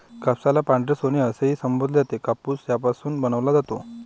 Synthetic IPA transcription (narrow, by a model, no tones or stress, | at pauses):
kapsalapãɳɖɾesoniəseɦiːsəmbod̪ʱd͡zat̪ekapuːsjapasuːnbənəʋlad͡zat̪o